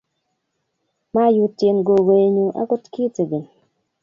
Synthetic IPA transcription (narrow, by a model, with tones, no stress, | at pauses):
ma˦ju˦tːje˨nɡo˨ɡo˨e˨ɲu˨ʔa̰˦kʊ˦tki˦te˨ɡi˨n